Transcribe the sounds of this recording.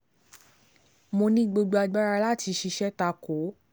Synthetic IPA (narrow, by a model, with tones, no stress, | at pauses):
mo˧nĩ˦ɡ͡bo˧ɡ͡ba˧ɡ͡ba˦ɾa˧la˦˨ti˧ʃi˧ʃɛ˦ta˧ko˨˦